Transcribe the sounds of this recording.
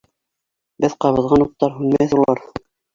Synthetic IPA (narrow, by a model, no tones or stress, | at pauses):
bɘðqɑβɤ̆ðʁɑnut̪ːɑɾhʉnmææθulˠɑɾ